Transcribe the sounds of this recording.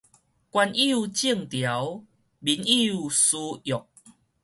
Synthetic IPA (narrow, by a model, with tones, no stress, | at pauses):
kwa˧ni˦˧˨u˨t͡ɕi˥˨əŋt̪ja˨˦w | bi˨˦ni˦˧˨u˨˩su˧jɔ˨˩k̚